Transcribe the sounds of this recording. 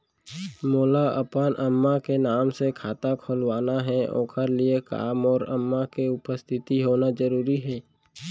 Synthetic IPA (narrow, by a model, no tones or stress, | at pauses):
moːlaʔə̰pənʔəmːakenaːmsekʰaːt̪akʰoːlwaːnaɦɛõ̰ːkʰəɾlieka̰ːmɔːɾə̰mːakeʊpəst̪ʰɪt̪iɦoːnad͡ʒəɾuːɾiɦɛː